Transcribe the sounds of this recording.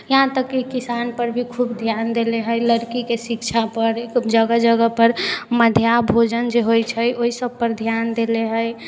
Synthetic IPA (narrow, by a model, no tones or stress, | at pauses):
jəɦãt̪əkːekisanpəɾbʱikʰubd̪ʱjand̪eleɦəjləɾkikesikt͡ʃʰapəɾekd͡ʒəɡəd͡ʒəɡəpəɾməd̪ʱjabʱod͡ʒənd͡ʒeɦojt͡ʃʰəjoisəb̚pəɾd̪ʱjand̪eleɦəj